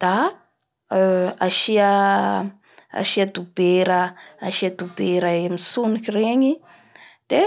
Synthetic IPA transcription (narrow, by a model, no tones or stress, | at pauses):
d̪̥a | aʃia | a̰ʃiad̪ubeɾəaʃiad̪ubeɾəemisunikireɲi | d̪̥e